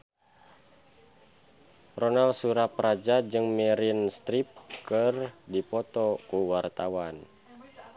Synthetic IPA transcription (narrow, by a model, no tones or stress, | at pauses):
rɔnalsuɾapɾad͡ʒad͡ʒɨŋmɛɾinst̪ɾip̚kɨrdipɔt̪ɔkuwart̪awan